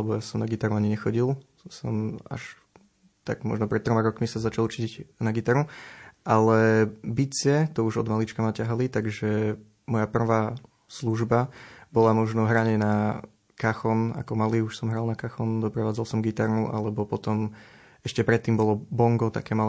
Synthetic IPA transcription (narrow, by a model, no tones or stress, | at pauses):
ɛbɔjasɔmnaɡit̪aɾuaɲiɲɛxɔɟilˠ | sɔ̰ma̰ʃ | t̪a̰ɡmɔ̰ʒnɔpɾɛt̪t̪ːɾɔmaɾɔkmisazat͡ʃalˠt͡ʃiɟnaɡit̪aɾuʔalɛbit͡sɪɛt̪ɔuʒɔ̰d̪malit͡ʃkamacaɦalit̪aɡʒɛ | mɔjapr̩ʋaː | sluʒbabɔlamɔʒnɔɦɾaɲɪɛna | kaxɔna̰kɔmaliːuʃsɔmɦɾalˠnakaxɔnd̪ɔpɾaʋaːd͡zalˠsɔmɡit̪aɾnuʔa̰lɛbɔpɔt̪ɔm | ɛʃcɛpɾɛt̪ːiːmbɔlɔbɔŋɡɔt̪a̰kɛːmal